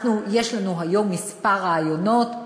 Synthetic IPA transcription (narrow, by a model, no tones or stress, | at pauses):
nujeʃlanuɦajomːispaʁaːjonot̪